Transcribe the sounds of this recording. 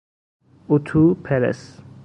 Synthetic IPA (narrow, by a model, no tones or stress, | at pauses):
ut̪ʰupʰɛɾḛs